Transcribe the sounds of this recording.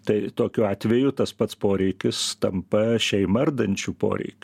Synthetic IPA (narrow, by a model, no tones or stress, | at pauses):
t̪ɐɪt̪oːkʲʊɑːt̪ʲʋʲejʊt̪ɐspɐt̪spoːɾʲɛɪkʲɪst̪ɐmpɐʃʲɛɪmɐrd̪ɐnʲt͡ʃʲuːpo̰ːɾʲɛ̰ɪkʲː